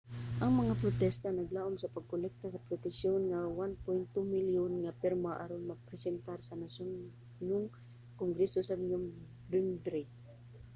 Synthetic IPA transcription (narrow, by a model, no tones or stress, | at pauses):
ʔɐŋmɐŋapɾot̪ɛst̪anɐɡlaʔomsɐpɐɡ̚kʊlɛk̚t̪asɐpɾʊt̪ɛsjonŋawanpɔjnt̪umiljonŋapɛɾmaʔaɾonmɐɡ̚pɾɛsɛnt̪aɾsɐnason | nʊŋ | koŋɡɾɛsosamɲʊm | bɛmd̪ɾi